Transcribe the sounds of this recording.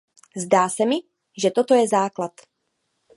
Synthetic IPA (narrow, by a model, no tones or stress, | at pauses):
zdaːsɛmɪ | ʒɛt̪o̞t̪o̞jɛzaːklat̪